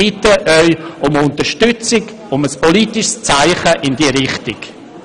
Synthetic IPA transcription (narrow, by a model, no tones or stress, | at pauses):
ɪtəʔœʏʊmʊntəɾʃtʏt͡sɪɡ | ʊməspolitɪʃst͡saɪχəʔɪndiːəɾɪχtɪk